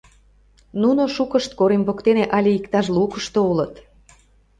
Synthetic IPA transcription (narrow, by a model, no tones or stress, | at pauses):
nunoʃukəʃt̪̚koɾembokt̪eneʔɑlʲeikt̪ɑʃ̬lukəʃt̪oulə̆t̪